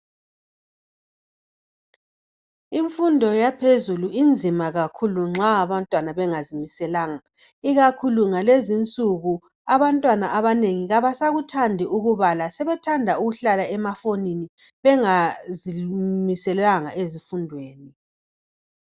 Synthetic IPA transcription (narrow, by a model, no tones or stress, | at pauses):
iɱfundʱɔjapʰezuluind͡zʱimaɣakʰuluŋ͡ǁaːβantʼwanaβɛŋazimisɛlaːŋa | iɣakʰuluŋalezint͡sʼuɣu | aβantʼwanaʔaβaneŋiɣaβasaɣutʰandʱiuɣuβalasɛβɛtʰandʱauɣuɬalaɛmafonini | βɛŋazimisɛlaŋaʔezifundʱweːni